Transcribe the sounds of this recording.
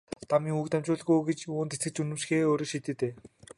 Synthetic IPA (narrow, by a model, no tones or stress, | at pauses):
t̪amiːŋukt̪æmt͡ɕʊːɮɣujɡet͡ɕuːnt̪et͡sɘ̆kt͡sunɘ̆mʃxeːoːɾoːʃit̪ĕːt̪eː